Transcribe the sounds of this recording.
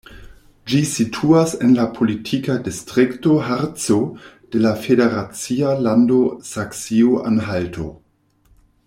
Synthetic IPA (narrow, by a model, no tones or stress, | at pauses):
d͡ʒisitʰuase̞nlapʰo̞litʰikadistʁikto̞ɦaɾt͡sod̥e̞lafede̞ɾat͡sialando̞saksioʔa̰nɦaltʰo̞̰